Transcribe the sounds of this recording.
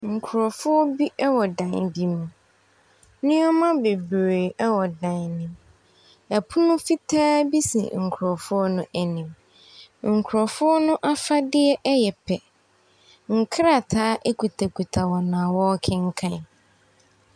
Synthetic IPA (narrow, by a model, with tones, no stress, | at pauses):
ŋ̩˨kʰʊ˨ɾɔ˨fʊ˦ɔ˦bi˦ʔɛ˦wɔ˨dã˨nbi˦mũ˨ | nɪ̃˦ɔ˦mã˦be˨bɾe˨ɛ˦wɔ˨dã˨nnɪ̃˨m | ɛ˨pʰʊ˦nʊ̃˦fi˦tʰaː˦bi˦sḭ˨ŋ̩˨kʰʊ˨ɾɔ˨fʊ˦ɔ˦nʊ̃˦ʔæ˨nĩ˨m | ŋ̩˨kʰʊ˨ɾɔ˨fʊ˦ɔ˦nʊ̃˦ʔa˦fa˦dɪ˦ɛ˦ʔɛ˦jɛ˨pʰɛ˨ | ŋ̩˨kʰɾa˨tʰaː˦ʔɛ˦kʰu˨tʰa˨kʰu˨tʰa˨wɔ˨nãː˨wɔ˦kʰɪ̃˦ŋ˦kʰã˦n